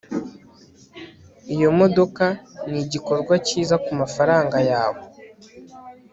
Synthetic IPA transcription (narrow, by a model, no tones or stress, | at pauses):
ijo̞mo̞do̞kaniɟiko̞ɾɡwaciːzakumafaɾaːŋɡajaːwo̞